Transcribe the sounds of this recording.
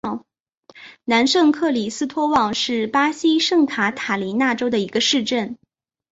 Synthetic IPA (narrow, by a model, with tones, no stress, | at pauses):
na˧˥nʂɤ˥˧ŋkʰɤ˥˩li˨˩sɹ̩˥t̪ʰwɔ˥wɑ˥˩ŋʂɻ̩˥˩pa˥ɕi˥ʂɤ˥˩ŋkʰa˧˥t̪ʰa˨˩li˧˥na˥˩ʈ͡ʂo˥ʊd̪ə˨˩i˧˥ɡə˧ʂɻ̩˥˧ʈ͡ʂə˥˩n